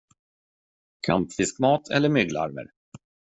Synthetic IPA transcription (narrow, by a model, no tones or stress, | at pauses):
kʰa̰mpfɪskmɑːt̪ʰɛ̰lːəɾmʏɡla̰ɾmə̰ɾ